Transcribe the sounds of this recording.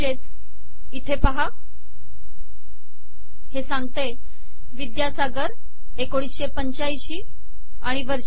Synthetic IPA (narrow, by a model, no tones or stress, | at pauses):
et̪ | it̪ʰepaɦa | hesãŋɡt̪e | ʋid̪jasaɡəɾ | ekoɽ̃isɕepəɲt͡ɕajɕiː | a̰ɽ̃iʋəɾ